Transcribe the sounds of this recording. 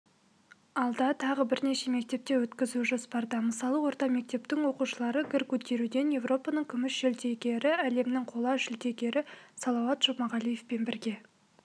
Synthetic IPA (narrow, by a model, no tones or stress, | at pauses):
ɑlˠd̪ɑt̪ʰɑʁəbɪɾne̞ʃe̞me̞k̚t̪e̞p̚t̪e̞wɵt̪kʲɪzuʒospɑɾd̪əməsɑlˠəwo̞ɾt̪ɑme̞k̚t̪e̞pt̪ɪŋwo̞quʃəlˠɑɾəɡʲɪɾkʲʰɵt̪e̞ɾud̪e̞nje̞vro̞pɑnəɴkʲʰʏmɪʃʒɪlt̪e̞ɡʲe̞ɾɪæle̞mnɪŋqʰo̞lˠɑʒɪlt̪e̞ɡʲe̞ɾɪsɑlˠɑwɑt̪ʒ̥omɑʁɑlˠije̞fpe̞nbɪɾɡʲe̞